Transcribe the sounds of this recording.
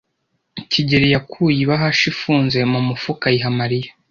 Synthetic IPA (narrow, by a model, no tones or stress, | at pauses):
ciɟeɾijakʰujiβaɦaʃifuːnze̞mumufukajiɦamaɾijḁ